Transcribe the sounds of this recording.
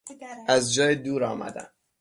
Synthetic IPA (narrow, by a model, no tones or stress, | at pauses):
æzd͡ʒɒːjed̪uːɾɒːmæ̰d̪æ̰m